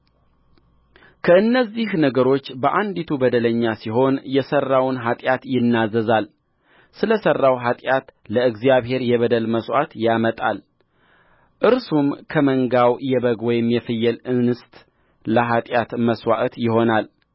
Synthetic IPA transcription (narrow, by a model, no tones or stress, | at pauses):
kʰəɨnːəzːihnəɡəɾo̞t͡ʃːbəʔand̪it̪ʰubəd̪ələɲːasiɦo̞njɛsərːawnɦat̪ʼjat̪jɪnːazəzal | sɨləsərːawɦat̪ʼjat̪ləɨɡzijaβhe̞ɾjɛβəd̪əlməswat̪jamət̪ʼa̰l | ʔɨɾsumkʰəməŋɡawjɛβəɡwɔjɪmjɛfɨjːɛlɨnɨst̪ʼ | ləɦat̪ʼjat̪məswa̰ʔət̪jɪho̞nal